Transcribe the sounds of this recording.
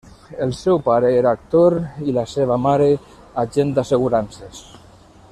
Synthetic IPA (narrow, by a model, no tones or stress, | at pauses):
elˠsɛwpaɾeeɾaaːk̚t̪oɾilaseβ̞amaɾe | aʒend̪aseɣ̞uɾanses